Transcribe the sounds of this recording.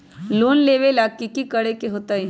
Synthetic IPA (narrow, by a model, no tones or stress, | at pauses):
loːnleːʋelaːkːikikəɽekeɦoːt̪ai